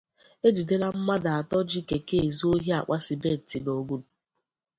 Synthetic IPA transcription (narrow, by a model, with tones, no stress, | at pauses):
e˦d͡ʒi˨de˦la˦m̩˦ma˦da˨a˨tɔ˦d͡ʒi˦ke˨ke˦e˨zu˦o˦ɦi˦a˨k͡pa˦si˨be˦˨ti˨do˨ɡu˦du˨